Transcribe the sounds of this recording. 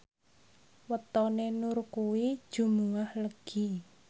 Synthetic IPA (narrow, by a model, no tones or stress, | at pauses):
wət̪ɔnenurkuwid̥ʒ̥ṳmuahləɡ̥i